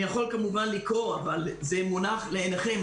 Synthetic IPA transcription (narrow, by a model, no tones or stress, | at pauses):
jaχo̞lkamuvanlikʁo̞avalze̞munaχleeneχe̞m